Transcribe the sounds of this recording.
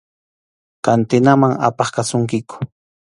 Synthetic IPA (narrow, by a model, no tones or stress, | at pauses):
kant̪ɪnamaŋa̰pɑχkasʊŋkɪkʊ̥